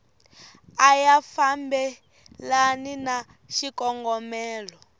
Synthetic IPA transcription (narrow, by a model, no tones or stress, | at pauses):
ajafambɛ | lanina | ʃikʼɔŋɡɔmɛːlɔ